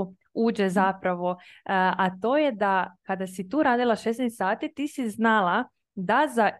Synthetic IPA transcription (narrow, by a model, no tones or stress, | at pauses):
uːd͡ʑezapɾaʋo̞at̪o̞ːjed̪akad̪asit̪uːɾaːd̪ilˠaʃesnest̪saːt̪it̪iːsiznalˠa | d̪aza